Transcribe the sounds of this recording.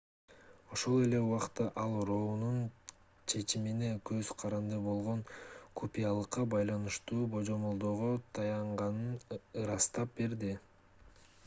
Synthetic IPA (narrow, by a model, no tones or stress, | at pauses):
o̞ʃo̞lˠe̞le̞uwɑqt̪ɑʔɑlˠɾo̞nun | t͡ʃʰe̞t͡ʃimine̞køzqʰɑɾɑnd̪ɯbo̞lˠʁo̞nkʰupʲijalˠɯqːɑbɑjlˠɑnɯʃt̪uːbo̞d͡ʒo̞mo̞lˠd̪o̞ːʁot̪ʰɑjɑɴʁɑnɯnɯɾɑst̪ɑp̚be̞ɾd̪i